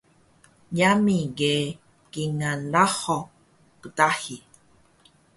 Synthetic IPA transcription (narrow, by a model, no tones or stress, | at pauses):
jamĩɡe | kiŋãlahɔ | kɨt̪ahi